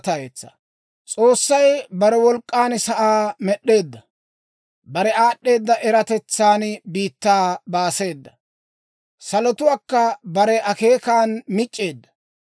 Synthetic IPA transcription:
t̪ɐjet͡sːɐ̰ | t͡sʼo̞ːsːɐjbɐɾɛwɔlkʼːaːnsɐʔaːmɛɗːe̞ːd̪ːɐ | bɐɾɛaːɗːe̞ːd̪ːɐʔɛɾɐt̪ɛt͡sːaːnbiːt̪ːaːbaːse̞ːd̪ːɐ | sɐlɔt̪ʊwaːkːɐbɐɾɛʔɐke̞ːkaːnmɪt͡ʃʼːe̞ːd̪ːɐ̥

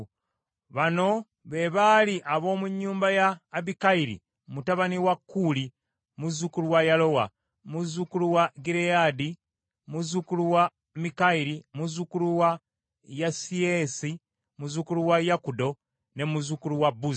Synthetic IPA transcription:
βano̞ | βe̞βaliʔaβo̞ːmuɲːuːmbajaːbikaiɾḭ | mutaβaniwakːuːli | muzukuluwajalo̞wa | muzukuluwaɡiɾejadi | muzukuluwa | mikaiɾimuzukuluwa | jasiesi | muzukuluwajakudo̞ | ne̞muzukuluwabuz

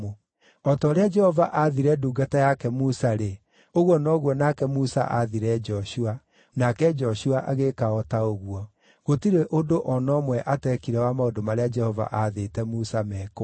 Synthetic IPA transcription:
o | ɔtɔɾead͡ʒɛhɔvaʔaðiɾɛduːɡatajakɛmusaɾe | oɣwɔnɔɣwɔnakɛmusa̰ʔaðiɾɛd͡ʒɔʃua | nakɛd͡ʒɔʃuaʔaɣekaɔtaoɣwɔ | ɣotiɾeʔodoʔɔnɔmwɛʔatɛkiɾɛwamaodomaɾead͡ʒɛhɔva̰ʔaðetɛmusamɛk

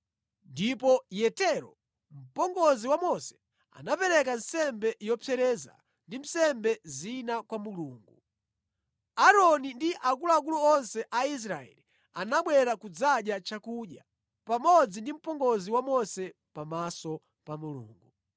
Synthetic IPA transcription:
ndipɔjɛtɛɾɔ̰ | m̩pɔŋɡɔziwamɔsɛ̥ | a̰napɛɾɛk̬an̩sɛmbɛjɔpʰɛɾɛza̰ | ndim̩sɛmbɛzinakwamuluːŋɡu | aɾɔnindiʔakuluak̬uluɔnsɛʔais̬ɾaɛ̰li | anaɓwɛɾakud͡zaɗjat͡ʃakuɗja | pamɔd͡zindim̩pɔŋɡɔziwamɔsɛ | pamasɔ | pamulṵːŋɡu

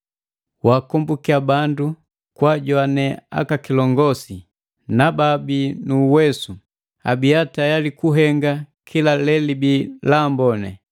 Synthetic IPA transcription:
waːkɔmbukiabandu | kwaɟwanɛa̰kakilɔŋɡɔsi | nababinuːwɛsu | a̰bijatajalikuɦɛŋɡakʰilalɛlibilambɔnɛ̰

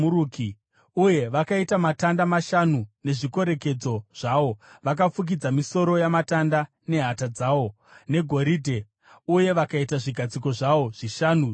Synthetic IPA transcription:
uɾuki | uje̞ʋakaitamatandamaʃanune̞ʐiko̞ɾe̞ke̞d͡zo̞ʐ̥aʋo̞ʋak̬afuk̬id͡zamiso̞ɾo̞jamatanda | ne̞ɦatad͡zaːʋo̞ | ne̞ɡʱo̞ɾiːdʱe̞ | uje̞ʋakaitaʐiɡʱad͡ziko̞ʐaʋo̞ʐ̥iʃanu

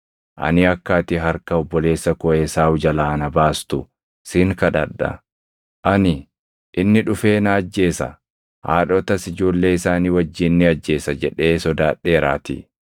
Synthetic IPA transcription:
ʔɐ̰nɪɐkːaːt̪ɪɦɐɾkɐɔbːɔle̞ːsːɐkɔesaːwʊd͡ʒɐlaːnɐbaːst̪ʊ | sɪːŋkɐᶑɐ̰ᶑɐ̰ | ʔɐnɪ | ʔɪnːɪᶑʊfe̞ːnɐːd͡ʒːe̞ːsɐ̰ | ha̰ːᶑɔt̪ɐsɪd͡ʒo̞ːlːe̞ːɪsaːniːwɐd͡ʒːɪnːɪɐd͡ʒːe̞ːsɐd͡ʒɛᶑe̞ːsɔd̪aːᶑːe̞ːɾa̰ːt̪ɪ̰

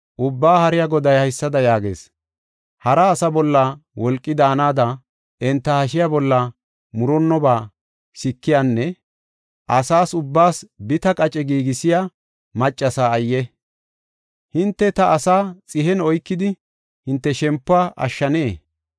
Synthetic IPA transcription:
ʔʊbːaːhɐɾɪjaɡɔd̪ɐjhɐjsːɐd̪ɐjaːɡḛːs | hɐɾɐːsɐbɔlːɐwɔlkʼːɪd̪aːnaːd̪ɐ | ɛnt̪ːɐhɐʃ̬ɪjabɔlːɐ | mʊɾɔnːɔbaː | sɪkːɪjanːɛ | ʔɐsaːsʊbːaːsbɪt̪ɐkʼɐt͡ʃʼɛɡiːɡɪsɪja | mɐt͡ʃʼːɐsaːɐjːɛ | hɪnt̪ːɛt̪ɐʔːsaːt͡sʼɪhɛnɔjkːɪd̪ɪ | hɪnt̪ːɛʃɛmpːʊaːʔɐ̰ʃːɐneː

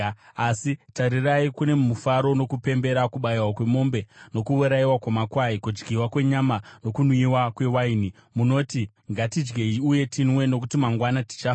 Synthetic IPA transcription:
asitaɾiraikune̞mumufaɾo̞no̞kupe̞mbe̞ɾakuɓaiwakwe̞mo̞mbe̞no̞kuuɾaiwakwamakwaikud͡ʒɡiwakwe̞ɲamano̞kunwiwakwe̞waini | muno̞ti | ŋɡatid͡ʒɡe̞iuje̞tʰinwe̞no̞k̬utimaŋɡwanati̥t͡ʃa

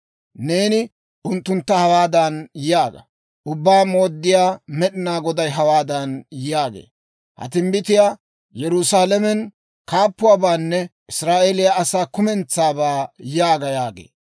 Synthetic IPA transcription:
ne̞ːnɪ | ʔʊnt̪ːʊnt̪ːɐhɐwaːd̪ɐnjjaːɡɐ̰ | ʔʊbːaːmo̞ːd̪ːɪjaːmɛɗɪnaːɡɔd̪ɐjɦɐwaːd̪ɐnjɪjaːɡḛː | hɐ̰t̪ɪmbɪt̪ɪjaː | jɛɾʊsaːlɛmɛn | kaːpːʊwaːbaːnːɛʔɪsɾaːʔelɪjaɐsaːkʊmɛnt͡sːaːbaːjaːɡɐjaːɡḛː

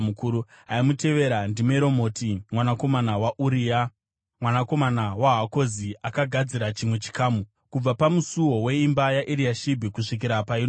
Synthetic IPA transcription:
mukuɾu | ɦaimute̞ʋe̞ɾandimeɾo̞mo̞timwanako̞manawaʔuɾia | mwanako̞manawaɦako̞ziakaɡʱad͡ziɾat͡ʃimwe̞t͡ʃi̥kaːmu | kub͡vapamusuwo̞we̞imbajaʔiɾiaʃibʱikuʂik̬iɾapain

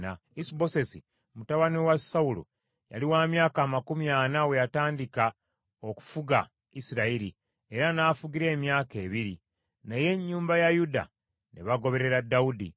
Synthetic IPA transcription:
a | isbo̞se̞si | mutaβaniwasaulo̰ | ja̰liwaːmjaːkaːmakumjaːnawe̞jataːndika | oku̥fuɡa | isiɾaiɾi | e̞ɾanaːfuɡiɾe̞ːmjaːke̞ːβiɾi | naje̞ɲːuːmbajajuda̰ | nḛβaɡo̞βe̞ɾe̞ɾadaudḭ

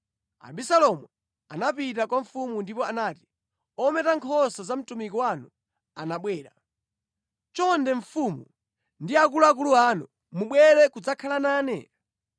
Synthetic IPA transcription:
a̰bisalɔmu | anapitakwaɱ̩fumundipɔanaːti̥ | ɔmɛtaŋkʰɔsazam̩tumikɔwanu | anaɓwɛːɾa | t͡ʃɔndɛɱfumu | ndiakuluak̬uluanṵ | muɓwɛɾɛkud͡zakʰalanaːnɛ

